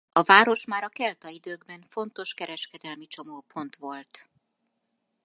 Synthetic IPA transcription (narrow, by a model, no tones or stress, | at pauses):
ɒvaːɾo̞ʃmaːɾɒkɛlt̪ɒid̪øːɡbɛɱfo̞nt̪o̞ʃkɛɾɛʃkɛd̪ɛlmit͡ʃo̞mopʰo̞n̪t̪ʋo̞lt̪